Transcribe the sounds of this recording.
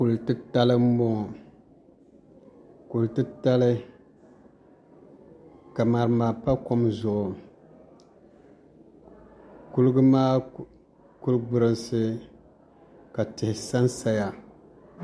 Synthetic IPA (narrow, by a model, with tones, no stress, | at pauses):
ku˨ltɨ˦ta˦lɨ˦m̩˦mo˦ŋ˨ | ku˨ltɨ˦ta˦lɨ˦ | ka˨ma˨ɾɨ˨maː˨pa˦ko˦mzʊ˨ | ku˦lɨ˦ɡɨ˦maː˦ | ku˦lɡ͡bʊ˦ɾɨ˦msɨ˦ | ka˨tɪ˨hɪ˨sa˦nsa˦ja˨